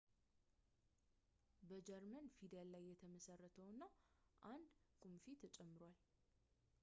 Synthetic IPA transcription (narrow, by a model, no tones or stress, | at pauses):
bəd͡ʒɛɾmənfid̪ɛlːajːɛt̪ʰəməsərːət̪ʰəwɨnːawʔand̪kʰʼumfit̪ʰət͡ʃʼɛmːɨɾal